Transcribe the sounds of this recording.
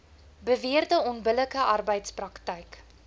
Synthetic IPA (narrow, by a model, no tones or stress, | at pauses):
bəviərdəɔnbələkəʔɐrbəjtsprɐktəjk